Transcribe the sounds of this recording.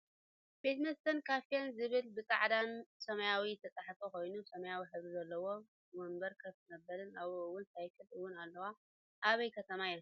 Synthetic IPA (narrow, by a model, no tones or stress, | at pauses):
b̥et̪mɐst̪ʰɐnkʰafijanzɨβɨlbɨt͡sʼa̰ʕd̪ansɐmɐjawit̪ʰɐt͡s̪ʼaħfoko̞jnusɐmɐjawiħɨzɾizɐlːɐwo̞ | wombɐɾkʰɐβzɨnɐbːɐɾɨnaβowʊnsʰajkʰɨlʔɨwʊnalːɐwa | ʔaβɐjkʰɐt̪ʰɐmajɪɾ